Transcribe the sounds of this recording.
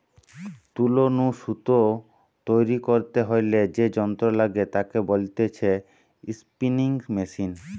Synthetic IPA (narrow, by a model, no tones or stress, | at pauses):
t̪ulonuʃut̪o | t̪ojɾikoɾt̪eɦojled͡ʑed͡ʑɔnt̪ɾolaɡet̪akebolt̪et͡ɕʰe | ispiniŋmeʃin